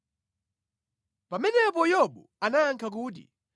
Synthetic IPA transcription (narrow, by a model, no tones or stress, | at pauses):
pamɛnɛp̬ɔjɔɓu | anaːŋkʰak̬uːt̬ḭ